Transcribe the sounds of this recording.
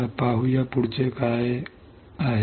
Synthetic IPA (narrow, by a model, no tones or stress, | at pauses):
apaɦujapʊɽt͡ʃekae | aɦ